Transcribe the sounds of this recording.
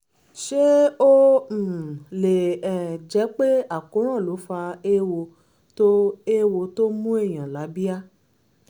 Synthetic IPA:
ʃe˦o˦˨ | le˨ɛ˨d͡ʒɛ˨˦k͡pe˦a˦˨kũ˨˦ɾ̃ã˦˨lo˨˦fa˧e˦wo˧ | to˦e˦wo˧to˦mũ˦e˦˨j̃ã˨la˨˦bi˦a˦

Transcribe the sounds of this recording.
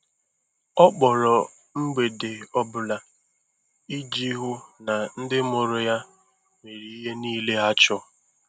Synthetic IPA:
ɔ˦k͡pɔ˨ɾɔ˨ | ŋ͡m̩˦ɡ͡be˨de˨ɔ˦bʊ˨la˦ | i˦d͡ʒi˦ɦʊ˦na˨n̩˦dɪ˦mʊ˨ɾʊ˨ja˦ | me˨ɾi˨i˦ɦe˦niː˦le˦a˦t͡ʃɔ˦

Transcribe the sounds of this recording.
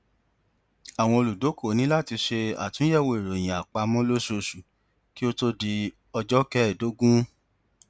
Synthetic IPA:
a˨w̃ɔ̃˧o˧lu˨do˨˦ko˦˨nĩ˦la˦˨ti˧ʃe˧a̰˦˨tũ˨˦jɛ˦˨wo˧e˨ɾo˨j̃ĩ˨a˨k͡pa˧mɔ̃˦lo˦so˧ʃu˨ | ki˦o˦to˦di˧ | ɔ˧d͡ʒɔ˦kɛ˦˨do˨˦ɡũ˦

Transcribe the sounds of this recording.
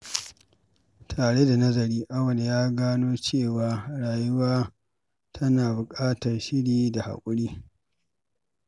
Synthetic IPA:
tʰaː˨ɽe˦da˨nɐ˦zɐ˨ɾiː˦ʔa˦wɐ˨n˨jaː˦ɡaː˦noː˦t͡ʃeː˦˨waː˦˨ɽaː˨jʊ˦waː˦ | tʰɐ˦naː˨bʊ˨kʼaː˦tɐ˨rʃɪ˦ɽiː˦da˨ha̰˨kʷʼʊ˦ɽiː˦

